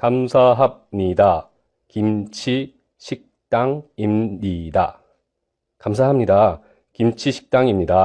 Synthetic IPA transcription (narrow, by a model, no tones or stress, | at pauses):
kamsʰaɦab̚ɲida | kimt͡ɕʰi | ɕʰik̚t͈aŋimɲida | kamsʰaɦamɲida | kimt͡ɕʰiɕʰi̥k̚t͈aŋimɲida